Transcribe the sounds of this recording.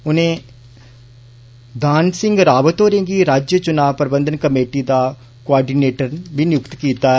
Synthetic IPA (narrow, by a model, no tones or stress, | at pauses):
ʊnẽː | d̪aːnsɪ̃ŋɡɾaːʋət̪oːɾẽːŋɡiːɾaːd͡ʒjət͡ʃʊnaːʋpɾɪbə̃nd̪ənkəmeːʈiːd̪aː | koaːɖiːneːʈəɾʋinjʊkt̪kiːt̪aː